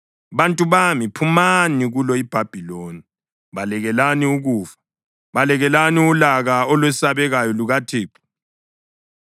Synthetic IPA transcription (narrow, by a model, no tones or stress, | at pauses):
βantʼuβamipʰumaniɣulɔib̥ʱab̥ʱiloni | βalɛɣɛlaniuɣuːfḁ | βalɛɣɛlaniulaɣaɔlwɛsaβɛɣajɔluɣatʰeːpʰʼu̥